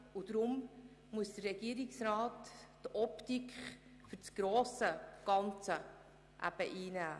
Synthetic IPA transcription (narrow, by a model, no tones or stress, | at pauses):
ud̪ɾʊm | muəsd̥̪ərrɛɡ̥iəɾiksɾɑːttɔptikχ | fʏɾt͡sɡ̥ɾoːsəɡ̥ɑnt͡sə | ʔæ̰b̥əʔiːnæː